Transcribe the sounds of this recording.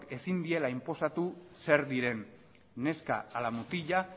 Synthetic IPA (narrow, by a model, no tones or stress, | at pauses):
ke̞sind̪ie̞laimpo̞sat̪useɾd̪iɾe̞nː | e̞ska̰alamut̪iʎa